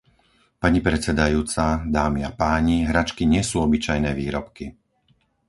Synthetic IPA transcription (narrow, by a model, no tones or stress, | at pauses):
paɲipɾɛt͡sɛd̪ajuːt͡sad̪aːmiapaːɲiɦɾat͡ʃkiɲɪɛsuːɔbit͡ʃajnɛːʋiːɾɔpki